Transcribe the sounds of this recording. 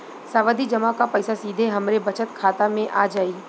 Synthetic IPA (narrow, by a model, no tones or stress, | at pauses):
saːʋad̪id͡ʒɐmakapɐɪsasiːd̪ʱeɦɐmɾebɐt͡ʃət̪kʰaːt̪amẽʔaːd͡ʒaːiː